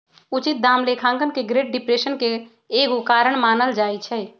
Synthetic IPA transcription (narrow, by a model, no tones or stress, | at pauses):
ut͡ʃit̪̚d̪amlekʰãŋkənkeɡɾeɖ̚ɖipɾesənkeː | ɡukaɾəɳmanəld͡ʒajt͡ʃʰɛ